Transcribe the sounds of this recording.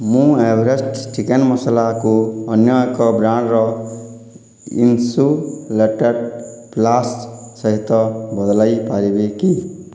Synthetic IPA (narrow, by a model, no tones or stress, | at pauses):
mũebʱɾesʈʈikenmʌslakoʌnjʌjkɔbɾãɳɾʌ | ḭnsuleʈəɾplassʌɦit̪ʌbʌd̪laipaɾibeki